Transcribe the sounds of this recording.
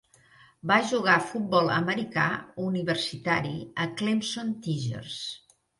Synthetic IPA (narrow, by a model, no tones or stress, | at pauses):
baʒuɣafut̪̚bɔlˠə̰məɾika̰uniβəɾsit̪aɾiəklimsont̪iʒə̰rs